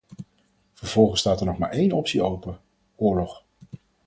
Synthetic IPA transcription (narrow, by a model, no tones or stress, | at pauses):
v̥əɹv̥ɔlˠχənstaːtəɹnɔχma̰ːɹejnɔpsiowpə | ʊːɹlɔχ